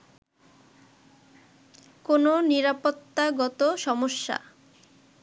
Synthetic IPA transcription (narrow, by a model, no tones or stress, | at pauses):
kononiɾapot̪ːaɡɔt̪oʃɔmoʃːa̰